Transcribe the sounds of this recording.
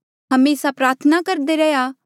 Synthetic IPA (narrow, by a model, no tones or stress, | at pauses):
ɦɐmeːsapɾaːɾt̪ʰənakɐɾd̪eɾɛja